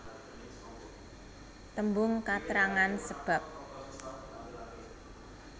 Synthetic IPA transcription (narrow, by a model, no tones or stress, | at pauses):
t̪əmbʊŋkat̪əɾaŋansəb̥a̤p̚